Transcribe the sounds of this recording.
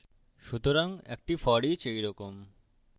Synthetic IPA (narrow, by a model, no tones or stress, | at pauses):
ʃut̪oɾaŋḛk̚ʈifɔɽit͡ɕejɾɔkom